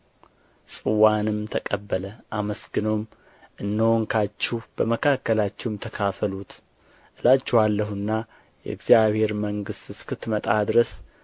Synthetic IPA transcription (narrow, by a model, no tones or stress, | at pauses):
sʼɨwanɨmt̪ʰəkʼəbːələʔaməsɡɨnom | ʔɨnːəwoŋkʰat͡ʃːɛwb̥əməkʰakːəlat͡ʃːɛwmt̪ʰəkʰafəlut̪ | ʔɨlat͡ʃːɛwalːəhuɨnːa | jɛ̰ɨɡzijaβhe̞ɾməŋɡɨst̪ɨskɨt̪mət̪ʼad̪ɨɾəs